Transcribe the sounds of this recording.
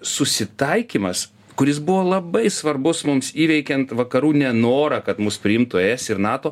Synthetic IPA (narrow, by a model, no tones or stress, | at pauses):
sʊsʲɪt̪ɐɪkʲiːmɐs | kʊɾʲɪs̬bʊʋoːlˠɐbɐɪsʋɐrbʊsmʊmsiːʋʲɛɪkʲɛnt̪ʋɐkɐɾuːnʲɛnoːɾɐkɐt̪mʊspʲɾʲɪɪmt̪ʊɛɛsɪɾnɑːt̪oː